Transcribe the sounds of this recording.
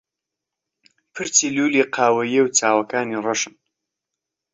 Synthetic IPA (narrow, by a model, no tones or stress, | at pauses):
pʰɨɾt͡siluːliqʰaːwɐjewt͡sʰaːwɐkaːnirɐʃɨn